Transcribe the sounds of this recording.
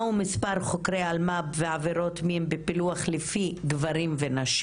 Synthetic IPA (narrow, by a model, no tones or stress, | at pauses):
umispaʁχo̞kɾealmabveaveɾo̞tmiembepiluaχlefiɡvaɾimve̞naʃ